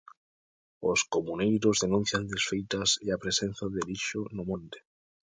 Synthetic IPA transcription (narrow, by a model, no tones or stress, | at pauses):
oskomunejɾozðenũn̟θjand̪esfejt̪aseapɾesẽnθaðeliʃonomõnt̪e̥